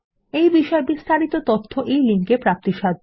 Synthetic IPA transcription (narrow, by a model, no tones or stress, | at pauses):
ejbiʃɔebist̪aɾit̪ot̪ot̪ʰːoʔejliŋkepɾap̚t̪iʃad̪ʱ